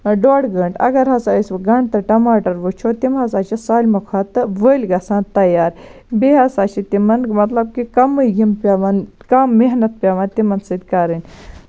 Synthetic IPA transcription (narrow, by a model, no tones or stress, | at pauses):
ɖoːɽɡəɳʈɐ̰ɡɐɾɦɐsaːisʋɡɐɳɖt̪ɐʈɐmaːʈɐɾʋət͡ʃʰot̪imɦɐsaːt͡ʃisaːlʲmukʰat̪ɨʋəːlʲɡɐsãːnt̪ɐjaːɾ | beɦɐsaːt͡ʃʰit̪imɐnmɐt̪lɐb̚kikɐmɨjjimpʲaʋankɐmːeɦnɐt̪̚pʲaːʋaːnt̪imɐnsɨd̪ʲkɐɾɨnʲ